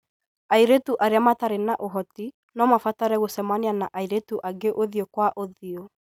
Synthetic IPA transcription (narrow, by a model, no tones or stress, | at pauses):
aiɾetuʔaɾeamataɾenaʔoɦɔti | nɔmafataɾɛɣosɛmaneanaʔaiɾetuʔaɡeʔoðiokwaʔoðio